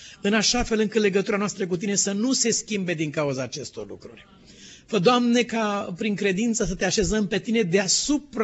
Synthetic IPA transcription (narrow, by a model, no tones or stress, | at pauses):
ɨnaʃafe̞lɨŋkɨt̪le̞ɡət̪uɾanoast̪ɾək̬ut̪̬ine̞sənuse̞skʲimbe̞d̪iŋkauzaːt͡ʃe̞st̪o̞̰rlṵkɾṵrʲ | vəd̪oamne̞kapɾiŋkɾe̞d̪int̪səsət̪e̞aʃe̞zəmpe̞t̪ine̞d̪easupɾ